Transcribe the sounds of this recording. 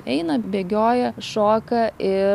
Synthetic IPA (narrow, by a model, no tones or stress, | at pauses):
ɛɪnɐbʲeːɡʲoːjɛʃoːkɐɪ